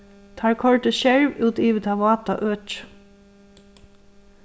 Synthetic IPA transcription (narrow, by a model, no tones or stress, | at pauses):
t̪ʰɑːɹkʰɔɹʈəʃæɹʋʉːt̪ʰiːʋət̪ʰɑʋɑːt̪ɑ̰ʔøːt͡ʃ